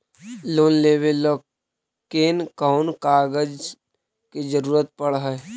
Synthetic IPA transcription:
loːnleːʋelɔ | keːnkaʊnkaːɡəd͡ʒ | kid͡ʒəɾuːɾət̪̚pəɽɦɛː

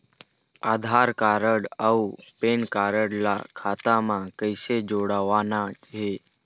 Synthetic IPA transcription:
ad̪ʱaɾkaɾəɽaupenkaɾəɽla̰kʰat̪amãkəjsed͡ʒoɽaʋanat͡ʃɦe

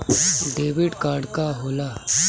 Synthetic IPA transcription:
ɖeːʋiɖkaːɾɖkaɦoːla

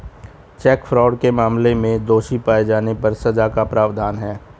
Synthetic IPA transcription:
t͡ʃɛːkfɾɔːɖkemaːmlemẽd̪oːʃipaːed͡ʒaːnepɐɾsɐd͡ʒakapɾʔaːʋd̪ʱaːnɦɛː

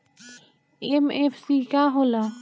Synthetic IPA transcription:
emefʰsikaɦola

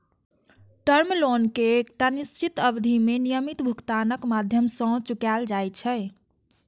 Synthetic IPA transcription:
ʈəɾmlonkeːkʈanist͡ʃit̪əbd̪ʱimenijəmit̪bʱukt̪anəkmad̪ʱjəmsə̃t͡ʃukald͡ʒajt͡ʃʰɛ

